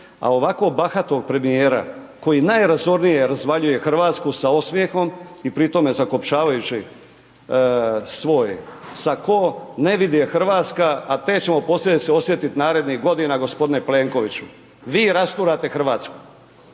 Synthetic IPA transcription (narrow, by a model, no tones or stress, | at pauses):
a̰o̞ʋako̞baxat̪o̞ɡ̚pɾe̞mijeːɾa̰ | ko̞jinajɾazo̞ɾnije̞ɾazʋaʎuje̞xr̩ʋaːt̪skusaosmje̞xo̞mipɾit̪o̞me̞zako̞pt͡ʃaːʋajut͡ɕi | sʋo̞jḛsako̞ne̞ʋid̪jexr̩ʋaːt̪skaːt̪e̞t͡ɕemo̞po̞slʲed̪iseo̞sje̞t̪it̪naːɾe̞d̪niɣɡo̞d̪inaɡo̞spod̪ineple̞ːŋko̞ʋit͡ɕu | ʋiːɾast̪uːɾat̪e̞xr̩ʋaːt̪sku̥